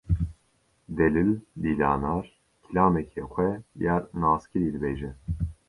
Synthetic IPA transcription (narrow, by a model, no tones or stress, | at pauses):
d̪ɛlilːiːlɑ̰ːnaːɾ | kʰilaːmɛkʰɛxʷwɛjaːɾnaːskɨɾiːd̪ɨbeːʒɛn